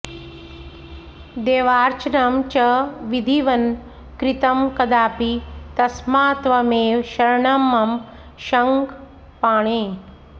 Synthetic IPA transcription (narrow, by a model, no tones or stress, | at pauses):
d̪eːʋaːɾt͡ʃnamt͡ʃɐʋid̪ʱiʋɐn | kɾit̪ɐmkɐd̪aːpit̪ɐsmaːt̪ʋɐmeːʋʃɐɾɳɐmːɐm | ʃɐŋɡ | paːɳ̃eː